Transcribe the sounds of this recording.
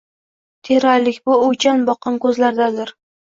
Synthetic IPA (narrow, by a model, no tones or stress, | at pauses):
t̪ʰeɾaɾlɪkʲbʊot͡ʃʰanbɒqɨnkɵzlaɾd̪ad̪ɪɾ